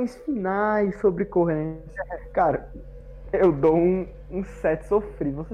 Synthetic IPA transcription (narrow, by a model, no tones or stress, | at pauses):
jsfinajsobɾɪkoɦɐnɛʃɛkaɾɐ | ewd̪owũ | ũsɛt͡ʃɪ̥sofɾivose